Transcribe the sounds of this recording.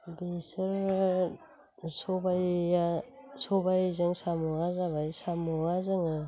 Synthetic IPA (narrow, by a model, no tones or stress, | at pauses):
besɯɾ | sobaj | sobajzɯŋsamuazabajsamuazɯŋɯ